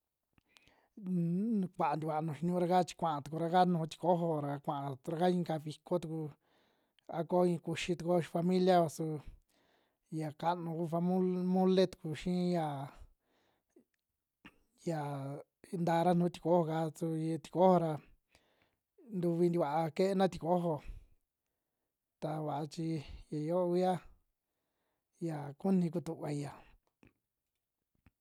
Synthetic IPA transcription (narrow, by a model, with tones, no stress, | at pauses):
kʷa˨ʔa˨nd̪i˧βa˨˧nũ˨ʃi˧ɲũ˧˦ɾa˧ka˦t͡ʃi̥˧kʷã˨ʔã˧t̪u˨ku˧ɾa˧ka˦nũ˧t̪i̥˧ko˦ɦo˧ɾa˧kʷã˨ã˧ɾa˧ka˦ĩ˧˦ka˧βi˧ko˦t̪u˧ku˧ | a˦ko˦ĩ˧ku˧ʃi˧t̪u˧ko˦ʃi˧fa˧mĩ˦lja˦βa˧su˧ | ja˨ka˦nũ˧ku˦fa˧m˦mũ˦le˦t̪u̥˨ku˧ʃĩ˦ja˨ | ja˨˧ | nd̪a˧ɾa˦nd̪ũ˧˦t̪i̥˧ko˦ho˧ka˧t͡su˧t̪i̥˧ko˦ho˧ɾa˧ | nd̪u˧βi˧nd̪i˧βa˨ʔa˧ke˦ʔe˦nã˦t̪i˧ko˦ɦo˧ | t̪a˧βa˨ʔa˧t͡ʃi˧ja˨jo˦˧i˦a˦ | ja˨ku˦nĩ˧k̬u˧t̪u˧ʔβa˧i˧ja˨